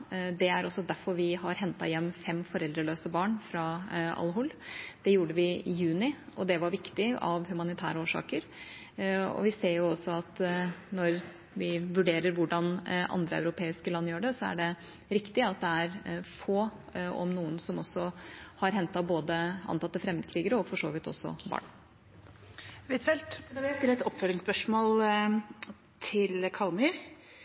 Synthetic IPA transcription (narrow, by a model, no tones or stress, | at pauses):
d̪ɛæɾɔsːɔd̪æɾfɔɾʋɪhɑɾɦɛnt̪ɑ̰jɛmːfɛmːfɔɾɛld̪ɾəɭøːsəbɑːɳfɾɑɑ̰lɦʊld̪̥ɛjuːɖəʋɪɪjʉːnɪɔd̪ɛʋɑɾʋɪkt̪ɪɑ̰ʋhʉmɑnɪt̪ʰæ̰ːɾəoːʂɑ̰ːkəɾ | ɔ̰ʋɪseːɾjʊɔsːɔɑt̪nɔɾ | ʋɪʋʉɖeːɾəɾʋʊɖɑnʔɑ̰nd̪ɾəæ̰ʉɾʊpʰeːɪskəlɑnːəjøːɖɛsɔæ̰ɖɛ | ɾɪkt̪ɪɑt̪̚d̪ɛæɾfoː | ɔ̰mnuːənsɔmɔsːɔhɑɾɦɛnt̪ɑboːd̪əʔɑ̰nt̪ɑt̪ːəfɾɛmd̪əkʰɾiːɡəɾəɔfɔʂo̰ːʋɪt̪ːɔ̰sːɔ̰bɑ̰ːɳ | ʋɪt̪ʰɛlt̪d̪ɑʋljæɪst̪ɪlːəɛt̪ɔpføːɾɪŋspœʂmoːl | t̪ʰɪlkʰɑlmyɾ